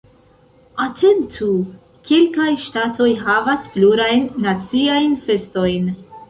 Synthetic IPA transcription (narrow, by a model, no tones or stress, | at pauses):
atʰe̞ntʰu | kʰelkajʃtatʰo̞jɦavaspluɾajnːat͡siajnfe̞sto̞jn